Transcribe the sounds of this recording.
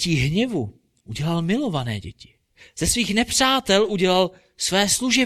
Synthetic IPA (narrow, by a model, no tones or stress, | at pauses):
iɦɲɛvu | ʔuɟɛlalmɪlo̞vanɛ̰ːɟɛ̰cɪ̥ | z̥ɛsviːxnɛpr̝̥aːt̪ɛlʔuɟɛlal | svɛːsluʒɛ